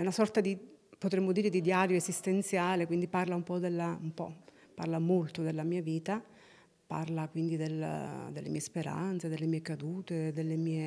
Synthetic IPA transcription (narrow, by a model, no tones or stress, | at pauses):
ɛunasɔrt̪ad̪ipot̪ɾemːod̪iːɾed̪id̪jaɾjoesist̪ent̪sjaːlekwind̪iparlaumpɔd̪elːaumpɔ̰ | pa̰rlamolt̪od̪elːamiːaviːt̪a | pa̰rlakwind̪id̪el̰d̪elːemiːespeɾa̰nt̪sed̪elːemiːekad̪uːt̪ed̪elːemiːe